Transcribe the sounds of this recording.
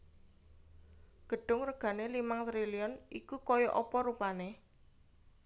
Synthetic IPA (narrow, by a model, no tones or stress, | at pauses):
ɡ̥ə̤ɖ̥ʊ̤ŋrəɡ̥ä̤nelimaŋt̪ɾiliɔnikukɔjɔʔɔpɔɾupane